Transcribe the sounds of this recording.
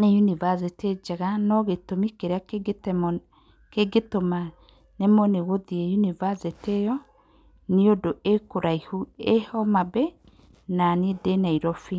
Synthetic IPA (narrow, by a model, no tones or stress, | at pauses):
nejunivaseted͡ʒaɣanɔɣetomikeɾeakɡtm | keɡetoma | nɛmɔneɣoðiɛjunivasetejɔ | niodoʔekoɾaihuehɔmabɛ | nanedenaiɾɔfi